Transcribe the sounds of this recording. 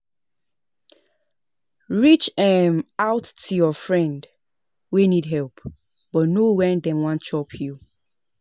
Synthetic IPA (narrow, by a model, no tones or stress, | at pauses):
ɹit͡ʃɛmaʊtʰːujɔfɹɛ̃nd | winidɦɛlˠp | b̥ɔtnowɛdɛ̃nwɔ̃nt͡ʃɔpʰju